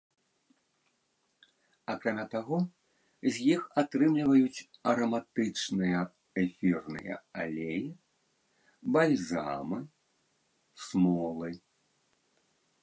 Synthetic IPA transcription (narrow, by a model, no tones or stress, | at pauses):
akɾamʲat̪aɣɔ | zʲjixat̪ɾɨmlʲivɐjut͡sʲɐɾɐmat̪ɨt͡ʂnɨjɐ | ɛfʲirnɨ̰jɐ̰a̰lʲeji | balʲzamɨ | smɔlˠɨ